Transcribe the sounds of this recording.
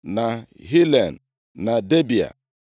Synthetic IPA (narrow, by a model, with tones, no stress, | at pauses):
na˨ɦi˦le˨n̩˨ | na˨de˦bi˨a̰˨